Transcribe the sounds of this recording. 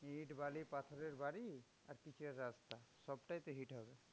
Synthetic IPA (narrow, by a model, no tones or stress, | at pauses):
ɦiʈbalipat̪ʰɔɾeɾbaɾi | a̰ɾkit͡ʃʰeɾːast̪asɔbʈajt̪eɦiʈɦɔbe